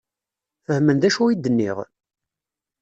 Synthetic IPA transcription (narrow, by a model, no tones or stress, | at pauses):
fəhmənd̪æʃuid̪ːənːḭʁ